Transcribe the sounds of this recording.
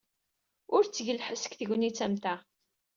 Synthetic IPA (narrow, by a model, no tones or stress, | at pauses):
ʊɾt͡sːʝəlħəsə̥kθəʝnit͡sːæmt̪æ